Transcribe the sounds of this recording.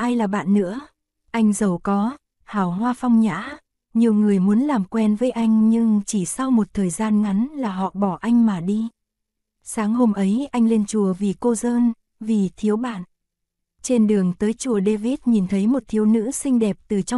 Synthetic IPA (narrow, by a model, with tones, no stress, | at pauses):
ʔaː˧jlaː˨˩ɓa̰ː˧˨nːɨ̰˧˥ə | ʔa˧jŋ̟zə˨˩wkɔ˨˦ | haː˧˩whwaː˧fa˧wŋ͡mɲa̰ː˧˥ | ɲi˨˩əwŋɨ˨˩əjmu˨˦ənlaː˨˩mkwɛ˧nvəː˨˦jʔa˧jŋ̟ɲɨ˧ŋt͡ɕi˧˩sa˧wmo˨˩t̚t̪ʰəː˨˩jzaː˧nŋa˨˦nlaː˨˩ɦɔ̰˧˨ɓɔ˧˩ʔa˧jŋ̟maː˨˩ɗi˧ | saː˨˦ŋho˧mʔə˨˦jʔa˧jŋle˧nt͡ɕu˨˩əvi˨˩ko˧zəː˧n | vi˨˩t̪ʰi˨˦əwɓa̰ː˧˨n | t͡ɕe˧nɗɨ˨˩əŋt̪əː˨˦jt͡ɕu˧˩əɗe˧vi˦˥t̚ɲi˨˩nt̪ʰə˨˦jmo˨˩t̚t̪ʰi˨˦əwnɨ̰˧˥sï˧ŋ̟ɗɛ˨˩p̚t̪ɨ˨˩t͡ɕɔ˧